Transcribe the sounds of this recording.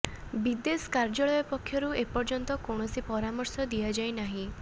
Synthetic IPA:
bid̪eskaɾd͡ʒɔɭɔjɔpɔkʰjɔɾuepɔɾd͡ʒɔnt̪ɔkoɳ̃ɔsipɔɾamɔɾsɔd̪iad͡ʒajnaɦĩ

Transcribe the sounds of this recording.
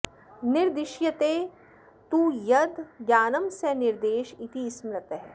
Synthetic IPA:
nɪɾd̪ɪʃjɐt̪eː | t̪uːjɐd̪ɡjaːnɐmsenɪɾd̪eːʃit̪ismɾɐt̪ɦɛ

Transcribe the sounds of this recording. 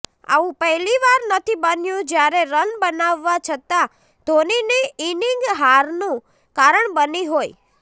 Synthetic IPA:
a̰ʋũpəɦɛliʋaɾnət̪ʰibənjũd͡ʒjaɾeɾənbənaʋːat͡ʃʰət̪a | d̪ʱoniniiniŋɡɦaɾnũ | kaɾəɳbəniɦoj

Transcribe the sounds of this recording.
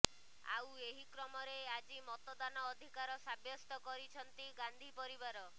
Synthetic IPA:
a̰weɦikɾɔmɔɾead͡ʒimɔt̪ɔd̪anɔːd̪ʱikaɾɔsabjɔst̪ɔkɔɾit͡ʃʰɔnt̪iɡand̪ʱipɔɾibaɾɔ

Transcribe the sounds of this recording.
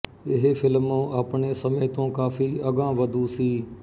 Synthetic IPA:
ɪɦefʰɪlmoaːpɳeːsəmeːt̪õːkaːfiːəɠãːʋəd̪ʱuːsiː

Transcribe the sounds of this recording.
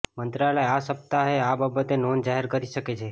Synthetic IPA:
mənt̪ɾaləjasəp̚t̪aɦeababət̪enond͡ʒaɦeɾkəɾiʃəket͡ʃʰe

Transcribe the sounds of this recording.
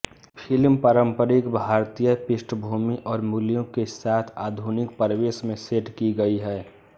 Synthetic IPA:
pʰɪlmpaɾəmpəɾɪkbʱaːɾt̪ijəpɪsʈʰəbʱuːmiʔɔːɾmuljõkesaːt̪ʰaːd̪ʱunɪk̚pəɾweːsmẽseʈkiɡəiɦɛː

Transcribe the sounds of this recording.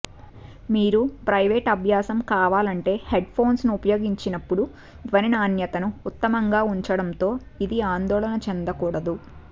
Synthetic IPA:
miːɾupɾɐjʋeːʈɐbʱjaːsɐmkaːʋaːlɐɳʈe̞ːheɖpʰo̞ːnsnuːpɐjo̞ːɡiɲt͡ʃinɐpːuɽu | ʋɐninaːnjɐt̪ɐnuːt̪ːɐmɐŋɡaːuɲt͡ʃɐɽɐnt̪o̞ː | id̪iaːnd̪ɔːlɐnɐt͡ʃend̪ɐkuːɽɐd̪u

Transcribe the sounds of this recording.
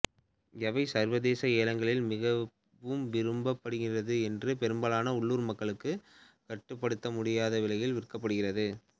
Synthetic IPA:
jɛʋɐɪsɐɾʋɐðeːsɐeːlɐŋɡɐɭɪlmɪɣɐ | ʋɯmʋɪɾɯmbɐpːɐɽɯɣɪrɐðɯɛndrɯpɛɾɯmbɐlaːnɐʊɭːuːɾmɐkːɐɭɯkːɯ | kɐʈːɯpːɐɽɯt̪ːɐmʊɽɪjaːðɐʋɪlɐjɪlʋɪrkːɐpːɐɽɯɣɪrɐðɯ

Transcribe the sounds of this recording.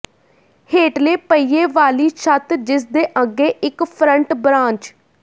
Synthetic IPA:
heːʈleːpəiːeːʋaːliːʃʰət̪d͡ʒɪs̬d̪eːʔəɡːeːʔɪkpʰɾəɳʈbɾãːɲt͡ʃ

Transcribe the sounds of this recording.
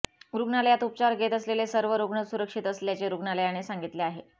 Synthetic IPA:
ɾuɡnaləjat̪upt͡ɕaɾɡʱet̪əslelesəɾʋəɾoɡɳəsuɾəkʂit̪əsljat͡ɕeɾuɡɳaləjañesaŋɡit̪leaɦe

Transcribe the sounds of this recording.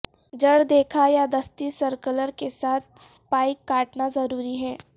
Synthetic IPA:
d͡ʒɐɽd̪eːkʰajad̪ɐst̪isɐɾkələɾkesaːt̪̚ʰspaːɪkːaːʈnazɐɾuːɾiɦɛː

